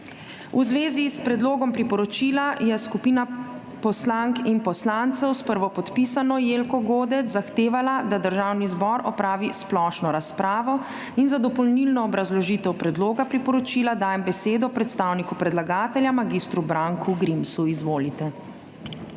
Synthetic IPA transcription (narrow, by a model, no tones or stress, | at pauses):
uzʋeːzispɾɛd̪loːɡɔmpɾipɔɾɔt͡ʃiːlajɛskupiːna | pɔslaŋkinpɔslant̪sɛwspəɾʋɔpɔt̪pisanɔjeːlkɔɡoːd̪ɛt͡s̪zaxt̪eːʋalad̪ad̪əɾʒawnizbɔɾɔpɾaːʋisplɔʃnɔɾaspɾaːʋɔ | inzad̪ɔpɔlnilnɔːbɾazlɔʒit̪ɛwpɾɛd̪loːɡapɾipɔɾɔt͡ʃiːlad̪aːjɛmbɛseːd̪ɔpɾɛt̪st̪awnikupɾɛd̪laɡaːt̪ɛljamaɡist̪ɾubɾaŋkʰuɡɾimsuizʋoːlit̪ɛ